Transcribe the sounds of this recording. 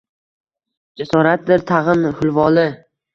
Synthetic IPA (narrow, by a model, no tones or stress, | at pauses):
d͡ʒasɒɾat̪̚d̪ɪɾt̪ʰɑʁɨnhʊlˠvɒlɪ